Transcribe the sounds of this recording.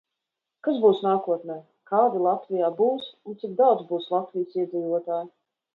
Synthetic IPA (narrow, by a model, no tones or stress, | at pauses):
kazbuːsnaːkuɔt̪nɛj | kaːd̪ilˠat̪vʲijaːbuːssunt̪sik̚d̪awd̪zbuːslˠat̪vʲijsiɛziːvuɔt̪aːj